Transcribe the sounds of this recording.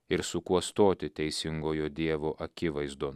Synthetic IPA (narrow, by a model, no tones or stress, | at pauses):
ɪɾsʊkuɔst̪oːt̪ʲɪt̪ʲɛɪsʲɪŋɡoːjoːd̪ʲiɛʋoːʔɐkʲɪʋɐɪzd̪oː